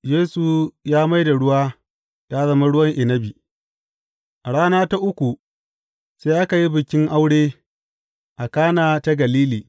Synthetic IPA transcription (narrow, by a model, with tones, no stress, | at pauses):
jeː˦su˨jaː˦ma˦jda˨ɽʊ˦waː˦ | ta˦zɐ˦ma˦ɽʊ˦wɐ˦ŋʔɪ˨nɐ˦bi˨ | ʔa˨ɽaː˦naː˦ta˦ʔʊ˦kʷu˨ | seː˦ʔa˦ka˨ji˦bɪ˨kʲɪ˦ŋʔa˦wɽeː˦ | ʔa˨kaː˦naː˨ta˦ɡɐ˨liː˦liː˨